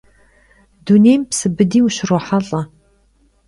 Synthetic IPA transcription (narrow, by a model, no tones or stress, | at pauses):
duneːjmpsɨbɨdiːwuɕɪrɔħaɬʼɐ